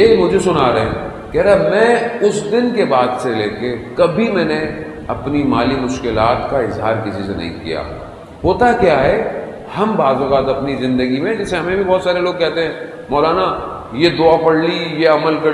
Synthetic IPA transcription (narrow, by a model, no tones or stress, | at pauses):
eːmʊd͡ʒʱesʊnaːɾɐɦɛ̰̃ | kɛːɾamɛ̃ːʊsd̪ɪnkebaːd̪seleːkekɐbʱimɛ̃ːne | ɐpnimaːlimʊʃkɪlaːt̪kaɪzɦaːɾkɪsisenɐ̰ɦḭ̃kḭja̰ː | ɦoːt̪akjaːɦɛ | hɐmbaːzʊɣaːt̪ɐpnizɪ̃nd̪əɡimẽd͡ʒɪseɦɐmẽbʱibɔːt̪saːɾeloːɡ̚kɛɦt̪eɦɛ̃ː | mɔːlaːna | jed̪ʊapɐɽlijeɐməlkɐ